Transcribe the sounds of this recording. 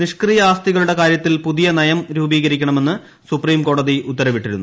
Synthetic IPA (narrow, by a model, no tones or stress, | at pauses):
niʂkrijɐaːst̪iɣɐɭuɽe̞kaːɾjɐt̪ːilpuðijɐnɐjɐmɾuːbiːɣɐɾikʲːɐɳɐme̞nːɨ | supriːmko̞ːɽɐðiut̪ːɐɾɐʋiʈːiɾunːu